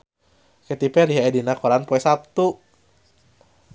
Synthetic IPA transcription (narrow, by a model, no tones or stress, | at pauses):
kɛt̪ipɛɾiɦaedinakoɾanpoɛsap̚t̪u